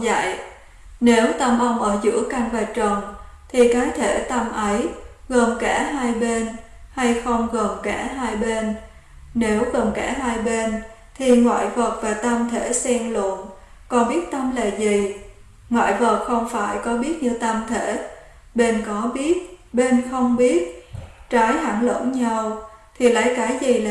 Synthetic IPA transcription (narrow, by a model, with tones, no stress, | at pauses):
za̰˧˨j | ne˨˦wt̪ə˧mʔə˧wŋ͡mʔəː˧˩zɨ̰˧˥əka˧ŋvaː˨˩t͡ɕə˨˩ŋ͡mt̪ʰi˨˩kaː˨˦jt̪ʰe˧˩t̪ə˧mʔə˨˦jɣə˨˩nkaː˧˩ɦaː˧jɓe˧n | ha˧jxə˧wŋ͡mɣə˨˩nkaː˧˩ɦaː˧jɓe˧n | ne˨˦wɣə˨˩nkaː˧˩ɦaː˧jɓe˧n | t̪ʰi˨˩ŋwa̰ː˧˨jvə˨˩t̚vaː˨˩t̪ə˧mt̪ʰe˧˩sɛ˧ŋlə̰˧˨ən | kɔ˨˩nɓi˦˥ət̚t̪ə˧mlḛ˧˨zi˨˩ | ŋwa̰ː˧˨jvə˨˩t̚xə˧wŋ͡mfaː˧˩jkɔ˨˦ɓi˦˥ət̚ɲɨ˧t̪ə˧mt̪ʰe˧˩˨ | ɓe˧nkɔ˨˦ɓi˦˥ət̚ɓe˧nxə˧wŋ͡mɓi˦˥ət̚t͡ɕaː˨˦jha˧˩ŋlə̰˧˥nɲa˧w | t̪ʰi˨˩la̰ː˧˦jkaː˨˦jzi˨˩la˨